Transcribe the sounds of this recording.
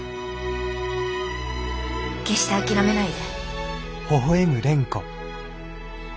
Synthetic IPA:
ke̞ɕi̥t̪eakʲiɾame̞naid̪e | hoɦoemɯ̟ɾẽ̞ŋko̰

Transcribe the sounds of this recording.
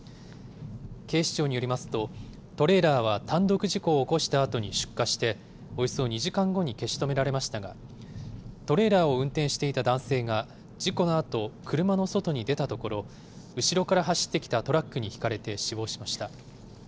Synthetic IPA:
ke̞ːɕi̥t͡ɕo̞ːɲ̟ijo̞ɾimasɨ̥t̪o̞ | t̪o̞ɾe̞ɾaːβ̞at̪ãnd̪o̞kɯ̟ʑiko̞ːko̞ɕi̥t̪aːt̪o̞ɲ̟iɕɨ̥kːaɕi̥t̪e̞ | o̞iso̞ːɲ̟iʑikãŋɡo̞ɲ̟ike̞ɕi̥t̪o̞me̞ɾaɾe̞maɕi̥t̪aɡa̰ | t̪o̞ɾe̞ːɾaːo̞ɯ̟̃nt̪eɰ̃ɕi̥t̪e̞it̪ad̪ãɰ̃se̞ːɡa | d͡ʑiko̞no̞at̪o̞kʰɯ̟ɾɯ̟mano̞so̞t̪o̞ɲ̟id̪e̞t̪at̪o̞ko̞ɾo̞ | ɯ̟ɕiɾo̞kaɾaɦaɕi̥t̪ːe̞kʲi̥t̪at̪o̞ɾakːɯ̟ɲ̟içi̥kaɾe̞t̪e̞ɕibo̞ːɕimaɕi̥t̪a

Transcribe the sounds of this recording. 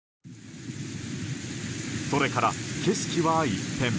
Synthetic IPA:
so̞ɾe̞kaɾa̰ke̞sɨ̥kʲiβaːit̪ẽ̞m

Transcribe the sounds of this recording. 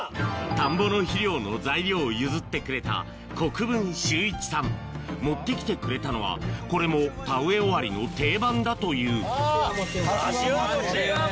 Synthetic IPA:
t̪ãmbo̞no̞çiɾʲo̞ːno̞zaiɾʲo̞ːjɯ̟zɨt̪ːe̞kɯ̟ɾe̞t̪a̰ | ko̞kɯ̟bɯ̟̃ɰ̃ɕɨːit͡ɕi̥sãmmo̞t̪ːe̞kʲi̥t̪e̞kɯ̟ɾe̞t̪ano̞β̞a̰ko̞ɾe̞mo̞paɯ̟e̞oβaɾʲino̞t̪e̞ːbãnd̪at̪o̞jɯ̟ː

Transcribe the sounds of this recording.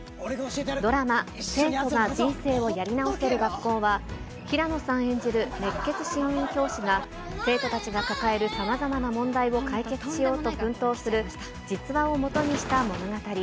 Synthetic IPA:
d̪o̞ɾamase̞ːt̪o̞ɡad͡ʑĩɰ̃se̞ːo̞jaɾʲinao̞se̞ɾɯ̟ɡakːo̞ːβa | çiɾano̞sãɰ̃ẽ̞ɲ̟d͡ʑiɾɯ̟ne̞kːe̞t͡sɨ̥ɕĩɰĩŋkʲo̞ːɕiɡa | se̞ːt̪o̞t̪at͡ɕiɡakakae̞ɾɯ̟samazamanamõ̞nd̪aio̞kait͡se̞t͡sɨ̥ɕijo̞ːt̪o̞bɯ̟̃nt̪o̞ːsɨɾɯ̟ | d͡ʑit͡sɨβão̞mo̞t̪o̞ɲ̟iɕi̥t̪amo̞no̞ɡat̪aɾʲi

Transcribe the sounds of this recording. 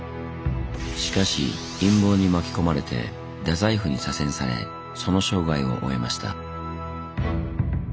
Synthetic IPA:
ɕi̥kaɕḭ | ĩmbo̞ːɲ̟imakʲi̥ko̞maɾe̞t̪e̞̰ | d̪azaiɸɯ̟ɲ̟isasẽ̞ɰ̃saɾe̞̰ | so̞no̞ɕo̞ːɡaio̞̰ʔo̰e̞maɕi̥t̪a̰

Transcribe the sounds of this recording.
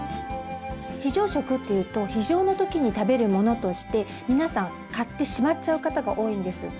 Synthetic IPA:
çiʑo̞ːɕo̞kɯ̟t̪ːejɯ̟ːt̪o̞çiʑo̞ːno̞t̪o̞kʲiɲ̟it̪abe̞ɾɯ̟mo̞no̞t̪o̞ɕi̥t̪e̞ | mʲinasãŋ | kat̪ːe̞ɕimatt͡ɕaɯ̟kat̪aɡaʔo̞ːĩnd̪e̞sɨ̰

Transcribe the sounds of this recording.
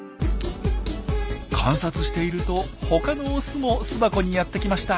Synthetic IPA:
kʰãɰ̃sat͡sɨɕi̥t̪e̞iɾɯ̟t̪o̞ho̞kano̞sɨmo̞sɨbako̞ɲ̟ijat̪ːe̞kʲimaɕi̥t̪a

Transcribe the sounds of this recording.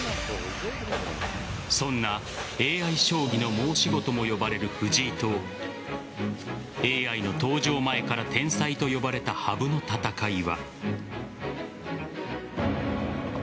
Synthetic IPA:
sõ̞nːa | e̞ːaiɕo̞ːɡʲino̞mo̞ːɕiɡo̞t̪o̞mo̞jo̞baɾe̞ɾɯ̟ɸɯ̟ʑiːt̪o̞ː | e̞ːaino̞t̪o̞ːʑo̞ːmae̞kaɾat̪ʰẽ̞ɰ̃sait̪o̞jo̞baɾe̞t̪ahabɯ̟no̞t̪at̪akaiβa

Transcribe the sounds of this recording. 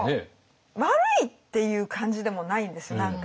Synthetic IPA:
e | maɾɯ̟it̪ːe̞jɯ̟ːkʰãɲ̟d͡ʑid̪e̞mo̞naĩnd̪e̞sɨjonãŋka

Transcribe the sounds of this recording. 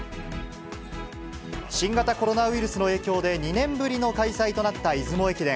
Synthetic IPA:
ɕĩŋɡat̪ako̞ɾo̞naɯ̟iɾɯ̟sɨno̞e̞ːkʲo̞ːd̪e̞ɲ̟inẽ̞mbɯ̟ɾʲino̞kaisait̪o̞nat̪ːaizɨmo̞e̞kʲid̪ẽ

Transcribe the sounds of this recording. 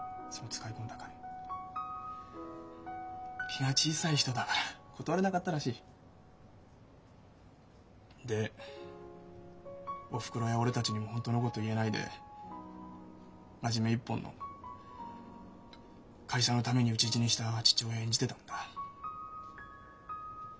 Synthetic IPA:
sonːt͡sɨ̥kaikõ̞nd̪akã | kʲʰiɡat͡ɕiːsaiçi̥t̪o̞d̪akaɾakʰo̞t̪o̞βaɾe̞nakat̪ːaɾaɕiː | d̪e̞ | o̞ɸɯ̥kɯ̟ɾojao̞ɾe̞t̪at͡ɕiɲ̟imo̞hõ̞nt̪o̞no̞ko̞t̪o̞ie̞naid̪e̞̰ | maʑime̞ipːõ̞nːʔo̰ | kʰaiɕano̞t̪ame̞ɲ̟iɯ̟t͡ɕiʑiɲ̟iɕi̥t̪at͡ɕi̥t͡ɕioːẽ̞ɲ̟d͡ʑit̪e̞t̪ãnd̪ḁ

